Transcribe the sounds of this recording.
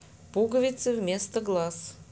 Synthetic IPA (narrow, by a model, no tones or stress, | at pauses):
puɡəvʲɪt̪sɨvmʲest̪əɡlˠas